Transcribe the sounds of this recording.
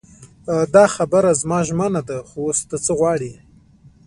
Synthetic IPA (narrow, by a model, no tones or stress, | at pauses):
d̪ɑxabəɾazmɑʒmənad̪axowost̪at͡səɣwɑɽi